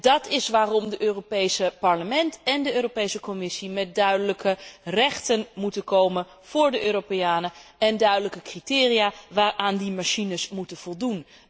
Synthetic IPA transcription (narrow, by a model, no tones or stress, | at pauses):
d̥ɑtɪsʋaːrɔmdəʔøːropejsəpɑɹləmɛntɛndəøːropejsəkomɪsimɛt̚dœɥdələkʰərɛχtənmutənkowmən | v̥ʊːɹdəʔøːropeaːnəɛndœɥdələkəkritɪːriaːʋaːrʔaːndimaʃinəsmutənv̥ɔlˠdun